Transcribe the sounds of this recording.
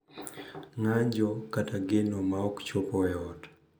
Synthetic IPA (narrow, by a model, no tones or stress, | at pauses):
ŋaɲd͡ʒɔkataɡenɔmaɔkt͡ʃopɔɛɔt